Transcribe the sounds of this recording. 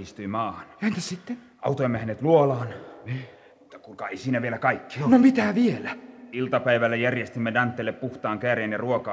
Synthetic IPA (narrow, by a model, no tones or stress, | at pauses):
ist̪yimɑːhɑnjɑænt̪æssit̪ːen | ɑ̰ut̪oimːæhæneːt̪luolɑːnni | mut̪ːɑkulkɑeisiːnæʋielækɑikːi̥ɑnomit̪æʋielæilt̪ɑpæiʋælːæjærjest̪imːedɑnt̪ːelːeppuht̪ɑːŋkæːreːnjɑruokɑː